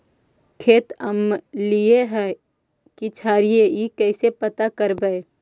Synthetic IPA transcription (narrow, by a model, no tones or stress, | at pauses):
kʰeːt̪əmlieɦɛ | kit͡ʃʰaːɾijeikɛːsepɐt̪akəɾbəe